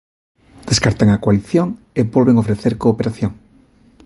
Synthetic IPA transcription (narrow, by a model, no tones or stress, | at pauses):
d̪̥eskaɾt̪aŋakwaliθjoŋ | eβolβeŋofɾeθeɾkoːpeɾaθjõŋ